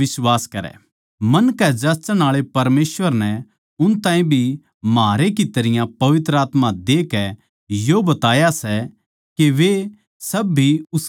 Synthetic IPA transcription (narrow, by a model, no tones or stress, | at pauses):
ɪswaːskɐɾɛ̰ | mɐnkɛd͡ʒɐt͡ʃəɽ̃aːɭepɐɾmeːsʋəɾnɛ | ʊnt̪ãːĩbʱi | maːɾekit̪ɐɾɪjãpɐʋɪt̪ɾəaːt̪mãd̪eːkɛ | jobɐt̪aːjasɛ | keʋe | sɐbːiʊs